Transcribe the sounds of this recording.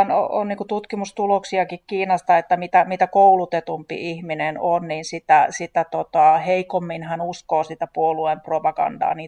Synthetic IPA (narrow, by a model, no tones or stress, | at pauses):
no̰o̰nniːŋkut̪ut̪kimust̪uloksiɑkikkiːnɑst̪ɑet̪ːæmit̪æmit̪ækoulut̪et̪umpḭʔihminenonniːnsit̪æsit̪æt̪ot̪ɑheikomːinhænuskoːsit̪æpuoluempropɑɡ̥ɑ̰ndɑ̰ːniː